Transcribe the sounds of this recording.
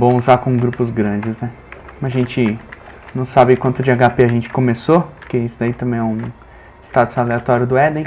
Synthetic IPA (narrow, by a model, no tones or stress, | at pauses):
bõw̃uzaɾkõɡɾupʊzɡɾɐ̃d͡ʒɪznɛ | ɐʒẽnt͡ʃɪnɐ̃w̃sabɪkwɐ̃nt̪ʊd͡ʒɪaɡapeaʒẽt͡ʃɪ̥kõmesopoɾkeisʊd̪ait̪ɐ̃mẽj̃ɛũ | ɪst̪at̪ʊsaleat̪ɔɾjʊd̪ʊɛd̪ẽ